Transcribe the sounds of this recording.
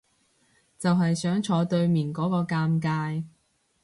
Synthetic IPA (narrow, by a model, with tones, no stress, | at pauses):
t͡sɐ˨wɦɐ˨jsœː˨˥ŋt͡ʃʰɔː˨˧t̪ɵ˧ɥmiː˨˩nkɔː˨˥kɔː˧kaː˧mkaː˧j